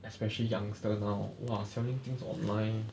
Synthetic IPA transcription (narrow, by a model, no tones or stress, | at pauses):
ʔɛspɛʃəlijãŋstənaʊwasɛʊĩŋt̪ĩŋsɔ̰̃nlãɪ̃n